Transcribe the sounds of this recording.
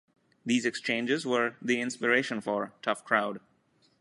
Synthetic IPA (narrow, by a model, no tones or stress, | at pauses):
d̪iːzɛkst͡ʃẽːnd͡ʒɪzʋəɾd̪iɪ̃nspɪɾeːʃə̃nfɔɾʈʰʌfkʰɾaʊɖ